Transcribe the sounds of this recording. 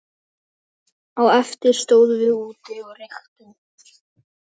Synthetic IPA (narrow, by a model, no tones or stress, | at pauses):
awɛft̪ɪɾ̥st̪oːwðvɪuːt̪ɪɔɣrɪxt̪ɪn